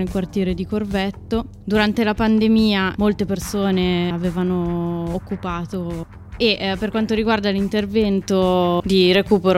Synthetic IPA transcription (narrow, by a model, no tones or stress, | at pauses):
nelkwart̪jɛːɾed̪ikorvɛt̪ːo | d̪uɾant̪elapand̪emiːamolt̪epersoːneaveːvanoːkːupaːt̪o | eʔpːerkwant̪oɾiɡward̪alint̪ervɛnt̪od̪iɾekuːpeɾo